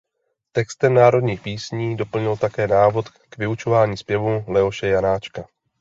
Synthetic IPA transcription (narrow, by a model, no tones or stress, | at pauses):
t̪ɛkst̪ɛmnaːɾo̞dɲiːxpiːsɲiːdo̞pl̩ɲɪlt̪akɛːnaːvo̞t̪ | kvɪut͡ʃo̞vaːɲiːspjɛvulɛo̞ʃɛjanaːt͡ʃka